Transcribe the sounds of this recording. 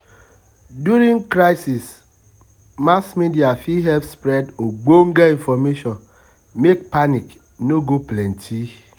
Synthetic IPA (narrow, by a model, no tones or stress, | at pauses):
djuɾiŋkɾaɪsis | masmidiafiɦɛpspɾɛdoɡ͡boŋ̩ɡaiɱfɔmeʃɔn | mekpanik | noɡoplɛn̩tʰi